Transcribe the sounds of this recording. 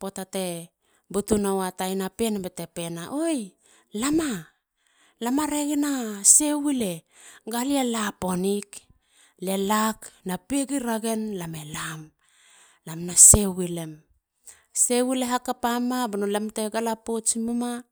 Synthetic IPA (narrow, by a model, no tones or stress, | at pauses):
po̞tate̞ | butunawatajnapenabetepe̞naʔoj | lama | lamaɾeɡenasewile̞ | ɡalialapo̞nik | le̞laknapeɡiɾaɡe̞nlamelam | lamnasewile̞m | sewileɦakapamabanolamteɡalapot͡ʃmuma